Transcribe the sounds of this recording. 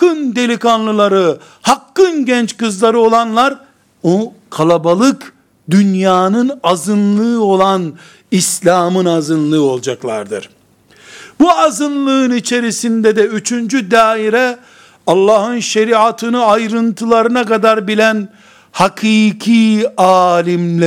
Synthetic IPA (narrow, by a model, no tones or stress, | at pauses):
kːɯnd̪e̞lʲikanlˠɯlˠaɾɯ | hakːɯnɟɛnt͡ʃkɯzlˠaɾɯo̞lˠanlˠaɾ | okʰalˠabalˠɯk | d̪ynjaːnɯnazɯnlˠɯːo̞lˠan | islʲaːmɯnazɯnlˠɯːo̞lˠd͡ʒaklˠaɾd̪ɯɾ̥ | buazɯnlˠɯɯnit͡ʃʰe̞ɾisind̪ɛd̪ɛyt͡ʃʰynd͡ʒyd̪aːiɾɛ | ɑlˠːaːhɯnʃeɾiat̪ʰɯnɯajɾɯnt̪ʰɯlˠaɾɯnakad̪aɾbilʲæn | hakʰiːkʰiːaːlʲimlʲɛ